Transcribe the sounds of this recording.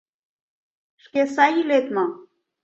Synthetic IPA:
ʃkesɑjilet̪mɤ

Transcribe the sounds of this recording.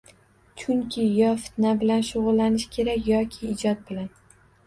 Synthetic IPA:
t͡ʃʰʊŋkʲʰɪjɒfɪ̥t̪nabɪlanʃʊʁʊlːanɪʃkʲʰe̞ɾakʲjɒkʲʰɪːd͡ʒɒt̪̚bɪlan

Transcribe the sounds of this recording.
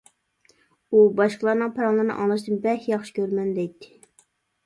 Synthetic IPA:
ubɑʃqəlˠɑɾnɨŋpʰɑɾɑnlˠɨɾnɨ̰ʔɑlˠɨʃd̪ɨnbɛhjɑχʃɪ̥kʲʰøɾmɛnd̪ɛjt̪ʰːɪ̥

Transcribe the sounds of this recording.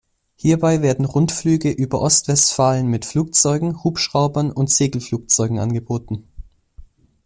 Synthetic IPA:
hiːɐbaɪveːɐdn̩ʁʊntflyːɡəʔyːbɐʔɔstv̥ɛstfaːlənmɪtfluːk̚t͡sɔʏɡŋ̩huːpʃʁ̥aʊbɐnʊntz̥eːɡl̩fluːk̚t͡sɔʏɡŋ̩ʔa̰nɡəboːtn̩

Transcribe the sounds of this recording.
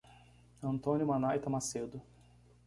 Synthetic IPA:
ɐ̃nt̪õnjʊmanajt̪ɐmased̪ʊ

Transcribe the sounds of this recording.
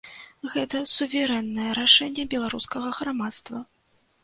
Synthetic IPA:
ɣɛt̪ɐsuvʲɛɾɛnːɐjɛɾaʂɛnʲːɛbʲɛlˠaɾuskɐɣɐɣɾamat̪st̪vɐ

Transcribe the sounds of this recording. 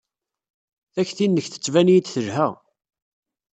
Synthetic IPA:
θæçθinːəçθə̥t͡sːvænijid̪θəʒhæʁ

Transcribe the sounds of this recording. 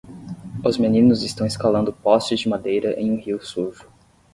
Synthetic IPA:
ʊzmenĩnʊzɪst̪ɐ̃w̃eskalɐ̃nd̪ʊpɔst͡ʃɪzd͡ʒɪmad̪ejɾɐʔḛ̃j̃ũhiwsuɾʒʊ

